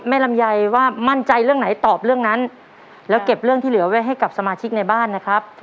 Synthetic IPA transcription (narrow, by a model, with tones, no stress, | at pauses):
ma˥˩jla˧mja˧jwaː˥˩ma˥˩nt͡ɕa˧jɾɯ˥˩əŋna˩˦jt̪ɔː˨˩p̚ɾɯ˥˩əŋna˦˥n | lɛː˦˥wke˨˩p̚ɾɯ˥˩ŋt̪ʰiː˥˩ɯ˩˦ɐwe˦˥ɦa˥˩jka˨˩p̚sa˧maː˧t͡ɕʰi˦˥k̚na˧jbaː˥˩nːa˦˥kʰɾa˦˥p̚